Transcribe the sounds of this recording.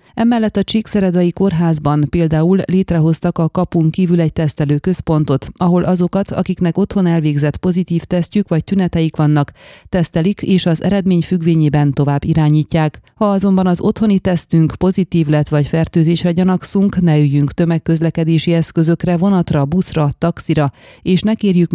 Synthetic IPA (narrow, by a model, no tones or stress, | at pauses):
ɛmɛlːɛt̪ːɒt͡ʃiksɛɾɛd̪ɒjiko̞rɦaːzbɒnpeːld̪aːulːeːt̪rɛɦo̞st̪ɒkɒkɒpuŋkiːvylɛc̚t̪ɛst̪ɛløːkø̞spo̞nt̪o̞t̪ɒɦo̞lʔɒzo̞kɒt̪ʰɒ̰kiknɛko̞t̪ho̞nɛlveːɡzɛt̪po̞zit̪iːft̪ɛscykʋɒc̚t̪ynɛt̪ɛjikʋɒnːɒkt̪ɛst̪ɛlikeːʃɒzɛ̰ɾɛd̪meːɲfyɡʋeːɲeːbɛnt̪o̞vaːbːiɾaːɲiːcːaːkhɒɒzo̞mbɒnɒzo̞t̪ho̞nit̪ɛst̪yŋkpo̞zit̪iːvlɛt̪ʋɒcfɛrt̪øːzeːʃrɛɟɒnɒksuŋknɛyjyŋkt̪ø̞mɛkːøzlɛkɛd̪eːʃiɛskø̞zø̞krɛvo̞nɒt̪rɒbusrɒt̪ɒksiɾɒeːʃnɛkeːrjyk